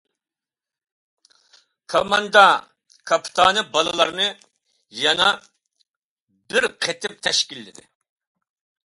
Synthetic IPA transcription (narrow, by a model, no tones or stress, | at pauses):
kʰomɑnd̪ɑ | kʰɑpʰt̪ʰɑːnɨbɑlˠɨlˠɑɾnɨ | jɑnɑ | bɪɾqʰet̪ʰɪp̚t̪ʰɛʃkʲilːɪd̪ɪ̰